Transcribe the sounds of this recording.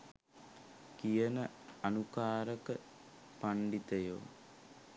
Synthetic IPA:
kijɐnɐ | ɐnukaːɾɐkɐ | pɐɳɖit̪ɐjo̰ː

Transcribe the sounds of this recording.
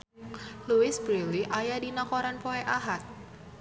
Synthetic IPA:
luɪsbɾiliʔajadinakoɾanpoeʔaɦat̪̚

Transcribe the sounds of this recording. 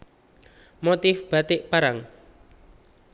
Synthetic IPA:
mot̪ɪfb̥at̪ɪʔpaɾaŋ

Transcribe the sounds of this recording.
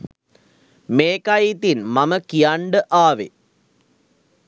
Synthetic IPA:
meːkajit̪inmɐmɐkijaɳɖɨʔaːʋḛ

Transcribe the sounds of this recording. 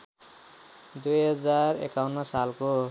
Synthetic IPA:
d̪ujɦʌd͡zarḛkawnːʌsalko

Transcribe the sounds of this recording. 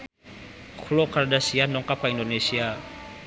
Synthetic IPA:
xulokardasianɔŋkapaindonesia

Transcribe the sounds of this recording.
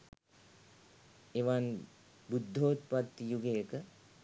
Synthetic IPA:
eʋan | bud̪ʱːoːt̪pat̪ːijuɡejəkə

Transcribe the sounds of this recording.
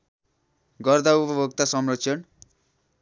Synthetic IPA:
ɡʌrd̪aupʌbʱokt̪asʌmrosʰʌn

